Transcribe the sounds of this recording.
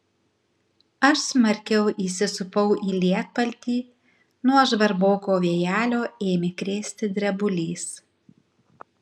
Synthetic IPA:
ɐʃsʲmɐɾʲkʲɛʊʔiːsʲɪsʊpɐʊʔiːlʲiɛt̪̚pɐlʲt̪ʲiː | nuɔʒʋɐɾboːkoːʋʲiɛjæːlʲoːeːmʲɪkɾʲeːsʲt̪ʲɪd̪ʲɾʲɛbʊlʲiːs

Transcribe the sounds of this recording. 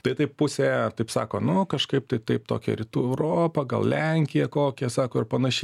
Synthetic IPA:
t̪ɐɪt̪ɐɪppʊsʲeɛt̪ɐɪpsɑ̰ːkoːnʊkɐʃkɐɪp̚t̪ɐɪt̪ɐɪp̚t̪o̰ːkʲɛ̰ɾʲɪt̪uːɛɛʊɾoːpɐɡɐ̰lˠlʲɛŋʲkʲɪjɛkoːkʲɛsɑːkoːɪrpɐnɐʃʲɛɪ

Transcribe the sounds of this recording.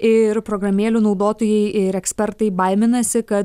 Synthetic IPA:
ɪɾpɾoːɡɾɐmʲeːlʲunɒʊd̪oːt̪oːjɛɪɪɾɛksʲpʲɛɾt̪ɐɪbɐɪmʲɪnɐsʲɪkɐt̪

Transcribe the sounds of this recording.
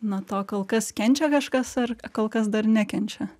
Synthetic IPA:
not̪oːkoːlˠkɐskʲɛnʲt͡ʃʲɛkɐʃkɐsɐrkoːlˠkɐsd̪ɐrnʲækʲɛnʲt͡ʃʲɛ

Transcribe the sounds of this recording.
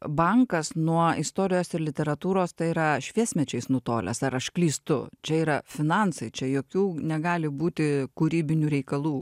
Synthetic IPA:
bɐŋkɐsnuɔɪst̪oːɾʲɪjoːsɪɾlʲɪt̪ʲɛɾɐt̪uːɾoːst̪ɐɪiːɾɐʃʲʋʲiɛsʲmʲɛt͡ʃʲɛɪsnʊt̪oːlʲɛ̰sɐɾɐʃklʲiːst̪ʊt͡ʃʲɛiːɾɐfʲɪnɑnsɐɪt͡ʃʲɛjoːkʲuːnʲɛɡɑːlʲɪbuːt̪ʲɪkʊɾʲiːbʲɪnʲuːɾʲɛɪkɐlˠuː

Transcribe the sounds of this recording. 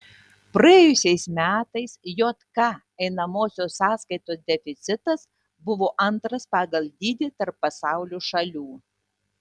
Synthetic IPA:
pɾɐɛjʊsʲɛɪsmʲæːt̪ɐɪsjoːt̪kɑ | ɛɪnɐmoːsʲoːsɑːskɐɪt̪oːsd̪ʲɛfʲɪt̪sʲɪt̪ɐs | bʊʋoːʔɐnt̪ɾɐspɑːɡɐlˠʲd̪ʲiːd̪ʲɪt̪ɐɾpːɐsɑˑʊlʲuːʃɐlʲuː

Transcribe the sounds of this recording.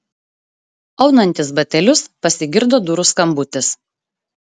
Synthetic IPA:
ɐʊnɐnʲt̪ʲɪsbɐt̪ʲɛlʲʊspɐsʲɪɡʲɪɾd̪oːd̪ʊɾʊskɐmbʊt̪ʲɪs

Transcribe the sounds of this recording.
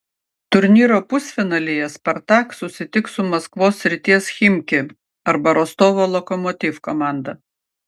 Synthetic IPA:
t̪ʊɾʲnʲiːɾoːpʊsʲfʲɪnɐlʲejɛspʲɐɾt̪ɑːksʊsʲɪt̪ʲɪksʊmɐskʋoːsːʲɾʲɪt̪ʲiɛsxʲɪmʲkʲɪ | ɐɾbɐɾɔst̪oːʋolˠɔkɔmɔt̪ʲifkɔmɑˑnd̪ɐ

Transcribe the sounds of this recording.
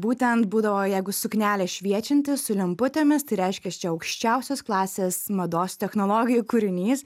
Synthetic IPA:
buːt̪ʲɛnt̪buːd̪ɐʋoːjɛɪɡʊsʊknʲæːlʲɛʃʲʋʲiɛt͡ʃʲɪnʲt̪ʲɪsʊlʲɪmpʊt̪ʲemʲɪst̪ɐɪɾʲɛɪʃʲkʲɛst͡ʃʲɛɐʊkʃʲt͡ʃʲɛˑʊsʲoːsklˠɑːsʲeːsmɐd̪oːst̪ʲɛxnoːlˠoːɡʲɪjukʊɾʲɪnʲiːs

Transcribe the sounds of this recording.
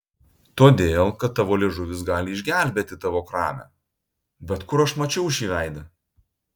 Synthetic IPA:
t̪oːd̪ʲeːlˠkɐt̪ːɑʋoːlʲeʒʊʋʲɪsɡɑːlʲɪɪʒʲɡʲæˑlʲbʲeːt̪ʲɪt̪ɑʋoːkɾɑ̰ːmʲæ̰ | bʲɛt̪kʊɾɐʃmɐt͡ʃʲɛʊɪʃʲiːʋʲæɪd̪ɐ

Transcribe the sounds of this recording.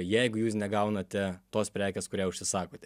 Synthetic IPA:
jɛɪɡʊjuːsnʲɛɡɐʊnɐt̪ʲɛt̪oːspʲɾʲæːkʲeːskʊɾʲiːʊʃʲsʲɪsɑːkoːt̪ʲɛ

